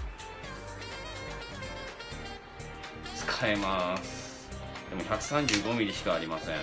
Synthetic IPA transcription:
t͡sɨ̥kʰaemasɨ̥ | d̪̥e̞mo̞çʲakɯ̟̥sãɲ̟d͡ʑɨːɡo̞mʲiɾʲiɕi̥kaːɾʲimasḛ̃

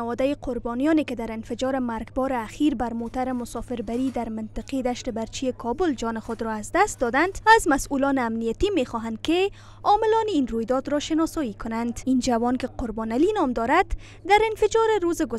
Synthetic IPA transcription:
awɔd̪ajɪqʰʊɾbɔnijɔnekɪd̪aɾɪnfɪd͡ʒɔɾɪmaɾɡbɔɾɪaxiɾbaɾmot̪aɾɪmʊsɔfɪɾbaɾid̪aɾmɪnt̪ɪqed̪aʃt̪ɪbaɾt͡ʃijekʰɔbʊld͡ʒɔnɪxʊd̪ɾɔazd̪ast̪d̪ɔd̪and̪azmasulɔnɪamnijat̪imexɔɦand̪̚kɪ | ɒmɪlɔninɾojd̪ɔd̪ɾɔʃɪnɒsɔjikʊnand̪ind͡ʒawɔnkɪqʊɾbɔnalinɒmd̪ɒɾad̪̥ | d̪aɾɪnfɪd͡ʒɔɾɪɾozɪɡʊ

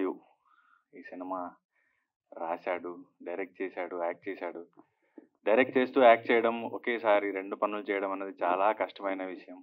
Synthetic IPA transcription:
ju | iːsinimaː | ɾaːsaːɽuɖɐjɾek̚ʈ̚t͡ʃɛːsaːɽuaːk̚ʈ̚t͡ʃɛːsaːɽu | ɖɐjɾek̚ʈ̚t͡ʃe̞ːst̪uːaːk̚ʈ̚t͡ʃɛːjɐɽɐmokeːsaːɾiɾe̞ɳɖupɐnulut͡ʃɛːjɐɽɐmɐnːɐd̪it͡ʃaːlaːkɐʂʈɐmɐjnɐʋiʂɐjɐm

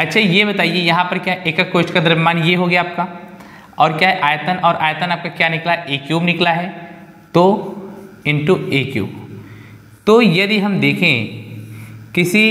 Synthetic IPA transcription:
ɐtːʃʰajebɐt̪aːiejɐɦãpɐɾkjaːʔeːkɐkːoːt͡ʃkad̪ɐɾmaːnjeɦoɡejaːp̚ka | ɔːɾkjaːɦɛʔaːjt̪ənɔːɾʔaːjət̪ənaːp̚kakjaːnɪklaʔeːkjuːbnɪklaɦɛ | t̪o | ɪ̃ɳʈueːkjṵːb | t̪oːjɐd̪iɦɐmd̪eːkʰẽ | kɪsi

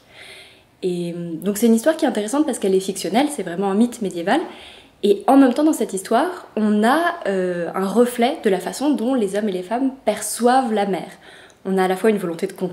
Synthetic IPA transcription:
emd̪ɔ̃ksɛt̪ynist̪waʁkʲiɛtɛ̃t̪eʁesɑ̃t̪̚paʁsə̥kɛlɛfiksjɔnɛlsɛvʁɛmɑ̃ɛ̃mit̪med̪jeval | eɑ̃mɛmt̪ɑ̃d̪ɑ̃sɛt̪ist̪waːʁɔ̃naøɛ̃ʁəflɛd̪əlafasɔ̃d̪ɔ̃lezɔmelefampɛʁswavlamɛːʁ | ɔ̃naːlafwaynvɔlɔ̃t̪ed̪əkɔ̃

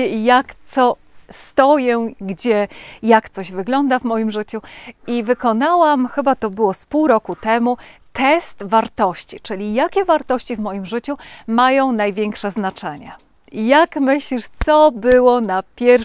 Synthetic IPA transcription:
ijakt̪sɔ | st̪ɔjɛɡd͡ʑɛjakt̪sɔʑvɘɡlɔnd̪avmɔjimʐɘt͡ɕuivɘkɔnawamxɘbat̪ɔbɘwɔspuwɾɔkut̪ɛmu | t̪ɛst̪vaɾt̪ɔɕt͡ɕit͡ʂɘlʲijakʲɛvaɾt̪ɔɕt͡ɕivmɔjimʐɘt͡ɕumajɔ̃w̃najvʲjɛŋkʂɛznat͡ʂɛɲɛ̰ | jakmɘɕlʲiʂt̪sɔbɘwɔnapʲjɛɾ

